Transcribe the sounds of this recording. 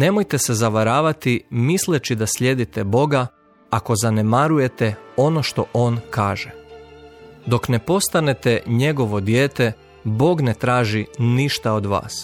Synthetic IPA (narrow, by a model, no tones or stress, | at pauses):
ne̞mojt̪e̞se̞zaʋaɾaːʋat̪imislet͡ɕid̪asʎʲe̞d̪it̪ebo̞ɡa | ako̞zane̞maɾuje̞t̪eo̞no̞ʃt̪o̞̰ʔo̞ːnkʰaːʒe | d̪o̞kne̞po̞st̪ane̞t̪eɲe̞ɡo̞ʋo̞d̪jeːt̪e | bo̞ːɡne̞t̪ɾaːʒiniʃt̪aod̪ʋa̰ːs